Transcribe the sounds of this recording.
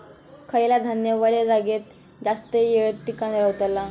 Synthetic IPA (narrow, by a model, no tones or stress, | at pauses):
kʰəjlad̪ʱanjəʋəled͡zaɡet̪̚ | d͡zast̪əjeʈːikanɾəwt̪əlːa